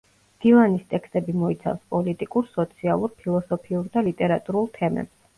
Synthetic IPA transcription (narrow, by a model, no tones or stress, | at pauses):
md̪̥ivanist̪ʼɛkst̪ʼɛbimɔit̪sʰa̰fspʼɔlit̪ʼikʼuɾsɔt̪sʰialˠuɾpʰilˠɔsɔpʰiuɾd̪alit̪ʼɛɾat̪ʼuɾulˠt̪ʰɛmɛ̰bs